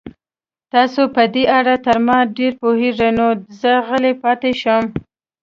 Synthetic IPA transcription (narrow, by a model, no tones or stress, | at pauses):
t̪ɑsopəd̪eʔaɽat̪əɾmɑɖeɾpoheʐenozəɣəlepɑt̪eʃəm